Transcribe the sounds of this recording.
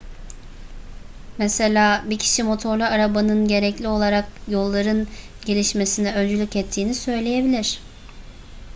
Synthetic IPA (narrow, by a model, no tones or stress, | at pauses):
mese̞lʲaːbicʰi̥ʃimo̞t̪ʰo̞ɾlʲyaɾabanɯnɟe̞ɾɛclʲio̞lˠaɾak̚jo̞lˠːaɾɯn | ɟe̞lʲiʃme̞sinɛø̞nd͡ʒylʲycɛt̪ʰːiːnisø̞jlʲe̞je̞bilʲiɾ̥